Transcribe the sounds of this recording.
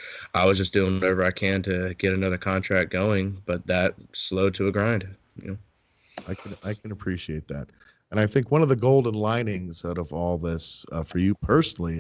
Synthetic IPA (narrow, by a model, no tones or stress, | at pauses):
ʔaɪwʌzd͡ʒʌsd̥ʉɪ̃ŋwʌɾɛvə˞aɪkʰɨ̃ntʰɨɡ̥ɛɾɨnʌðə˞kʰɑ̃ntʰɹ̥æk̚ɡ̥oʊɪ̃ŋb̥ʌt̪̚ðət̚sloʊd̚ɾɨəɡɹãɪ̃nd̥ | j̰o | aɪkʰɨ̃naɪkʰɨ̃nəpʰɹ̥iʃieɪt̪̚ðæ̰t̚ | ɨ̃ñaɪθɪ̃ŋkwʌ̃nʌvðɨɡoʊlˠdⁿn̩lãɪ̃nɪ̃ŋzaʊɾʌvɔlˠðɪsʌfə˞jɨpʰɜ˞sn̩l̩ˠi